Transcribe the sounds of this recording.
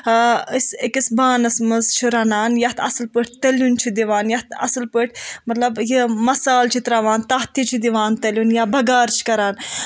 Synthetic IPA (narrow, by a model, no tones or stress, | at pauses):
isekisbaːnɐsmɐzt͡ʃʰiɾɐnaːnjɐt̪ʰɐ̰sɨlpəʈ̚ʰʲt̪ɐljunt͡ʃʰid̪iʋaːnjɐt̪ʰɐ̰slpəʈ̚ʰʲmɐt̪lɐbjimɐsaːlt͡ʃʰit̪ɾaʋaːnt̪ɐɦt̪it͡ʃʰid̪iʋaːnt̪ɐlʲunjabɐɡaːɾt͡ʃʰi̥kɐɾaːn